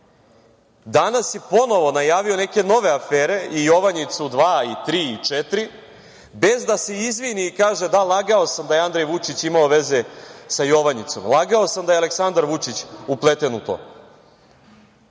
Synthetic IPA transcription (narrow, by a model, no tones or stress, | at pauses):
d̪anasjepo̞no̞ʋo̞najaːʋio̞ne̞ke̞no̞ʋe̞afeːɾe̞ijo̞ʋaɲit̪sud̪ʋaːit̪ɾiːit͡ʂet̪ɾi | be̞zd̪ase̞izʋiniːkaːʒe̞d̪alˠaɡaosamd̪ajand̪ɾejʋut͡ʃit͡ɕimaoʋe̞ze̞sajo̞ʋaɲit̪so̞̰mlˠaɡaosamd̪ajeale̞ksand̪aɾʋut͡ʃit͡ɕuplˠet̪enut̪o̰ː